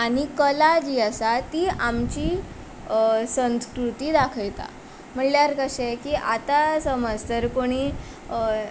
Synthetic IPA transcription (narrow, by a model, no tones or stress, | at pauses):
aɽ̃ikəlad͡ʑiːəsat̪iːamt͡ɕiː | səñskɾut̪iːd̪akʰəjt̪a̰ | m̤əɳljaɾkəɕekiːʔat̪asəməd͡zt̪əɾpoɽ̃i